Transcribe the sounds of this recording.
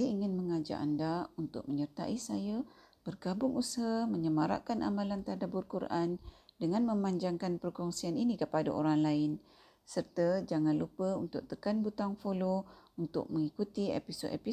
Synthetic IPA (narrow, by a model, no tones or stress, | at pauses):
ajaiŋɪnməŋad͡ʒa̰ʔa̰ndaunt̪ʊ̰k̚məɲərt̪a̰ʔisaja | b̥ərɡabʊŋushaməɲəmaɾa̰ʔkanʔa̰malant̪adabʊrkuɾʔandəŋanməmaɲd͡ʒaŋkanpərkɔŋsianinikəpada̰ʔo̰ɾaŋlaɪn | sərt̪əd͡ʒaŋanlupəunt̪ʊ̰k̚t̪əkanbut̪aŋfolount̪ʊ̰k̚məŋikut̪iɛ̰pisodɛ̰pi